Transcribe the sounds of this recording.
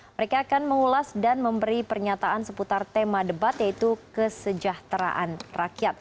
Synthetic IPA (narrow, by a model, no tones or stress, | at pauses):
məɾekaːkanməŋulasdanməmbəɾipərɲat̪aʔansəput̪art̪emadəbat̪jait̪ukəsəd͡ʒaht̪ɾa̰ʔanrakiat̪̚